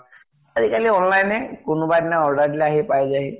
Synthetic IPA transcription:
azikaliɔnlajnɛkʊnʊbadinaɔɹdaɹdilaaɦipajzaɦi

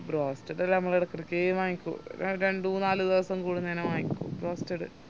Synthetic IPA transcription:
broːstɐɽɐlːɐɐmːɐɭiɽɐkːɐrɐkʲːeːmaːjikʲːṵɾɾeɳɖuːnaːlɨd̪iʋɐsɐmkuːɽunenɐmaːjikʲːṵbroːstɐɽɨ

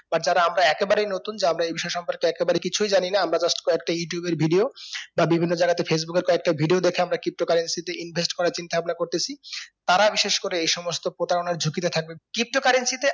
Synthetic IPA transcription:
baɾd͡ʑaɾaamɾaɛkebaɾejnot̪und͡ʑeamɾaejbiʃɔeʃɔmpoɾkeɛkebaɾejkit͡ɕʰujd͡ʑaninaamɾad͡ʑaʃʈḁkoɛk̚ʈajuʈjubeɾbʱiɖiobabibʱinːod͡ʑaɡat̪efʰes̬bukeɾkoɛk̚ʈabʱiɖiod̪ekʰeamɾakip̚ʈokaɾensit̪eʔinbʱesʈkɔɾaɾt͡ɕint̪ababnakoɾt̪et͡ɕʰit̪aɾabiʃeʃkoɾeejʃɔmost̪opɾot̪aɾonaɾd͡ʑʱukit̪et̪ʰak̚bekɾip̚ʈokaɾensit̪e

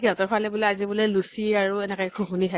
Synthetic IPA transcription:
kiɔ̃tɔɹpʰalɛbʊlɔazibʊlɛlusiaɹuɛnɛkɔjkʰũɦunitʰa

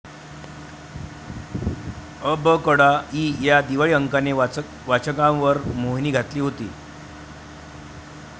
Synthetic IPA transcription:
əbəkəɽaiːjad̪iʋaɭiːəŋkane | ʋat͡ɕəkamʋəɾmoɦniːɡʱat̪liːɦot̪ḭː

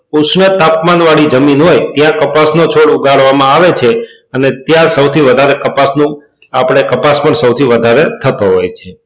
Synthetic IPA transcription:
usnət̪apmanʋaɭid͡ʒəminɦojt̪jãkəpasnot͡ʃʰoɽuɡʱaɭʋamãaʋet͡ʃʰe | ənet̪jaɾsəwt̪ʰiʋəd̪ʱaɾekəpasnũ | apɽ̃ekəpaspəɳsəwt̪ʰiʋəd̪ʱaɾet̪ʰət̪oɦojt͡ʃʰe

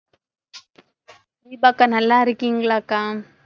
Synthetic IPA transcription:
bibakanalaɾikiŋɡlakam

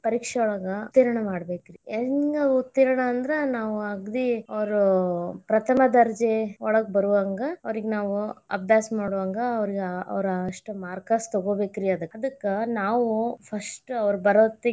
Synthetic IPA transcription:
pɐɾiːkʂɛɔɭɐɡɐt̪ːiːɾɐɳɐmaːɽbeːkɾieɡɐut̪ːiːɾɐɳɐːnd̪ɐɾenaːʋuɐɡd̪iɐʋɐɾupɾɐt̪ʰɐmɐd̪ɐɾd͡ʒeɔɭɐɡɐbɐɾuʋaːŋɡɐɐʋɐɾiɡenaːʋuɐ̰b̚d̪aːsɐmaːɽuʋaːŋɡɐːʋɐɾiɡeɐ̰ʋɾɐʂʈumaːɾkaːst̪ɐɡoːbe̞ːkiɾiɐd̪ɐkːɐd̪ɐkːɐnaːʋupʰɐsʈɐʋɐɾubɐɾoːt̪ːe

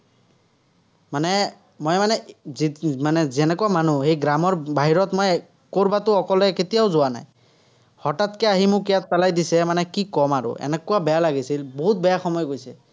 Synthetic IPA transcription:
manɛ | mɔjmanɛ | manɛzɛnɛkuwamanuhejɡɹamɔɹbaɦiɹɔtmɔj | koɹbatʊɔkɔlɛketijaʊzʊana̰j | hɔtatkɛaɦimʊkijatpalajdisɛmanɛkikɔmaɹʊ̰ɛ̰nɛkʊwabɛjalaɡisilboɦut̚bɛjaxɔmɔjɡojsɛ

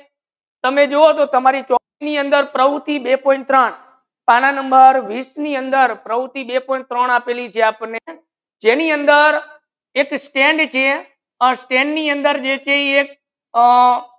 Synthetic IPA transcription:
t̪əmed͡ʒoot̪ot̪əmaɾit͡ʃɔkiniə̃nd̪əɾpɾəʋut̪ʰiɓepõɪ̃nt̪ɾəɳ | pananəmbəɾʋisniənd̪əɾpɾəut̪ʰiɓepɔɪ̃nt̪ɾəɳapelit͡ʃʰeaːpne | d͡ʒeniənd̪əɾ | eksʈẽɳɖt͡ʃʰe | əsʈẽɳɖniə̃nd̪əɾd͡ʒet͡ʃʰeiek̚

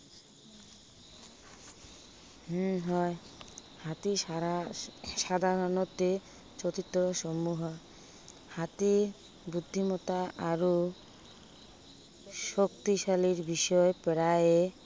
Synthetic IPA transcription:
ɦɔe | hat̪i | ʃad̪ʱaɾonot̪ːe | t͡ɕot̪it̪ːɾoʃɔmːuɦa | hat̪i | bud̪ʱːimɔt̪aʔaɾo | ʃokt̪iʃaliɾbiʃɔepeɾae

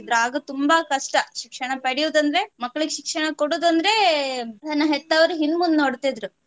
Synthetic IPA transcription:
d̪ɾuaːɡɐt̪umbɐkɐʂʈɐʃikʂɐɳɐpɐɽijuːd̪ɐnd̪ɐɾe̞mɐkːɐɭuɡeʃikʂɐɳɐkoɽuːd̪ɐnd̪ɐɾe̞ | ɐnːɐɦet̪ːɐʋɐɾuɦinmund̪noːɽt̪id̪ɾu

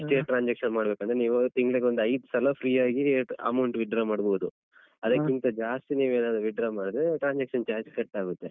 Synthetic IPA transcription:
ʈeːʈɾaːnd͡ʒekʂɐnmaːɽbeːkɐnd̪ɾeniːʋut̪iŋɡɐɭeɡeond̪uɐjd̪sɐlɐpʰɾiːaːɡiɐ̰mɐwɳʈʋiɖɾamaːɽboːd̪u | ɐd̪ɐkːint̪ɐd͡ʒaːst̪iniːʋueːnaːd̪ɾuʋiɖɾaːmaːɽd̪ɾeʈɾaːɲd͡ʒekʂɐnt͡ʃaːd͡ʒkɐʈːaːɡut̪ːe

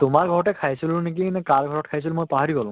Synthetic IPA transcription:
t̪omaɾɡʱɔɔʈekʰajt͡ʃʰilunik̬inekalɡʱɔɾɔʈkʰajsʰilmojpaɦaɾiɡɔlũ

